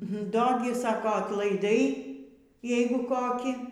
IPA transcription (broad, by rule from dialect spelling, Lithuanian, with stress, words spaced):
ˈdoː ɡʲɪ ˈsɑːkoː ɐtlˠɐɪˈdɐɪ ˈjɛɪɡʊ ˈkoːkʲiː